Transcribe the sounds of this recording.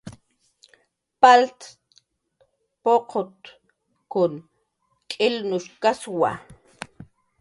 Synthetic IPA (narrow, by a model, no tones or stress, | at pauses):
palt̪ | poqʰot̪ | kʊn | kʼɪlnʊʃkaswa̰